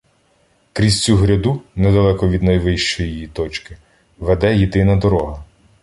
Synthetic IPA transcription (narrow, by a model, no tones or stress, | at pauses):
kɾʲisʲt͡sʲuɦɾʲɐd̪unɛd̪ɐlˠɛkɔʋʲid̪nɐjʋɪʃt͡ʃɔjijit̪ɔt͡ʃkɪ | ʋɛd̪ɛjid̪ɪnɐd̪ɔɾɔɦɐ